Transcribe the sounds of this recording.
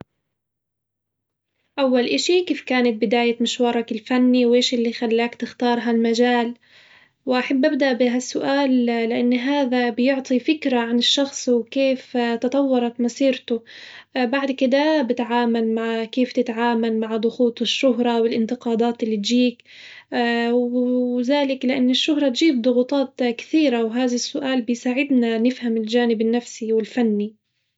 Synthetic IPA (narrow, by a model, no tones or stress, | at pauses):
ʔawːalʔaʃikeːfkaːnat̪̚bɪd̪aːjat̪mɪʃwɑːɾˤɑkɪlfanːiwʔeːʃʔɪlːixalːaːkt̪ɪxt̪ɑːɾˤɦalmaʒaːl | wʔaħabːʔabd̪aʔbɪɦasːʊʔaːllɪʔanːɦaːðabjʊʕt̪ˤifɪkɾaʕanɪʃːɑxsˤwkeːft̪ɑt̪ˤɑwːɑɾˤɑt̪mɑsiːɾt̪ʊbaʕd̪kɪd̪abɪt̪ʕaːmalmaʕkeːft̪ɪt̪ʕaːmalmaʕd̪ˤʊxuːt̪ˤɪʃːʊɦɾˤɑwɪlʔɪnt̪ɪqɑːd̪aːt̪ʔɪlːiːt̪d͡ʒiːkː | wzaːlɪklɪʔanːɪʃːʊɦɾˤɑt̪d͡ʒiːb̚d̪ˤʊɣut̪ˤɑːt̪kɪ̥θiːɾawɦaːðasːʊʔaːlbɪjsaːʕɪd̪nanɪfhamɪld͡ʒaːnɪbɪnːafsiwɪlfanːi